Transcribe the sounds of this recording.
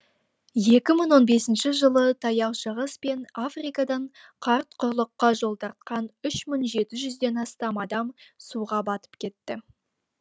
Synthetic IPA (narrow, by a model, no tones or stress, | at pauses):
je̞kʲɪməɴwo̞nbe̞sɪnʃɪʒəlˠət̪ʰɑjɑwʃəʁəspe̞nafrijkɑd̪ɑɴ | qʰɑɾt̪qʰʊɾlˠəqːɑʒo̞lˠd̪ɑɾt̪̚qɑnʏʃmʏŋʒe̞t̪ɪʒʏzd̪e̞nɑst̪ɑmɑd̪ɑmsuʁɑbɑt̪ə̥pkʲʰe̞t̪ːɪ